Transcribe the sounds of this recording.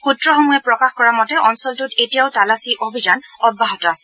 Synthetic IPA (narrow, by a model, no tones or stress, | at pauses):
xutɹɔxɔmujɛpɹɔkaxkɔɹamɔtɛʔɔnsɔltutetijaʊtalasiʔobʱizan | ɔbːaɦɔtɔasɛ̥